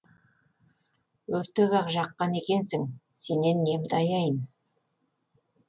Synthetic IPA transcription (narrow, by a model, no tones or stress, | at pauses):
wɵɾt̪eβɑqʒɑqːɑne̞kʲe̞nsɪŋse̞ne̞nːe̞md̪ɑjɑjən